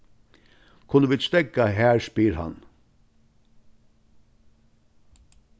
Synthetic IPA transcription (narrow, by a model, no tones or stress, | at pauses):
kʰʊnəʋɪst̪ɛkɑhæːɹspiːɾhɑ̰n